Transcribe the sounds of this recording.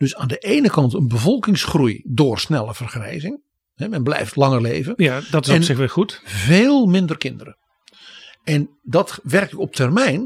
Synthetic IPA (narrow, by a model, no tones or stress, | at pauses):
d̥øsaːndəʔejnəkɑntənbəvɔlˠkɪŋsχrujdʊːrsnɛlˠəv̥ərχrɛ̰jzɪŋ | hɛmɛnblɛ̰jftlɑŋərlejvənjadɔtɪsɛnsɪxʋɪxutveːlˠmɪndərkɪndərə̰ | ɛn | dɔtʋɛrk̚ɪkɔp̚tʰɛrmɛjn